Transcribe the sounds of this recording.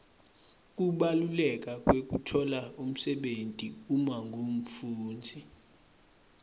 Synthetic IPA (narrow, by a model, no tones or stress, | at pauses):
k̬ʼuɓalulɛk̬ʼak̬ʼwek̬ʼutʰɔlaum̩sɛɓentʼiumaŋɡʱom̩fuːnd͡zʱi